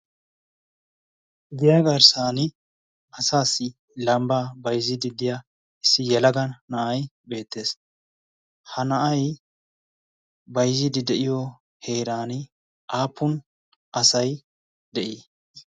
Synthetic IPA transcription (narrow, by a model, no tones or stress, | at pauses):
d̪ɪjaːɡɐɾsaːnɪ | ɐsaːsːɪ | lɐmbaːbɐjzɪd̪ɪd̪ɪja | ɪsːɪjɛlɐɡɐnːɐʔɐjbe̞ːt̪ːe̞ːs | hɐnɐʔɐj | bɐjzɪd̪ɪd̪ɛʔɪjɔ | he̞ːɾaːnɪ | ʔaːpʰːʊn | ʔɐsɐj | d̪ɛʔi